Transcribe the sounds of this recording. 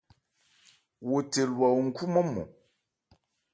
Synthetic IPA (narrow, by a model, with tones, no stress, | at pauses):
wo˨te˨lwa˨wŋ̩˦ku˦mɔ˦mo̰˨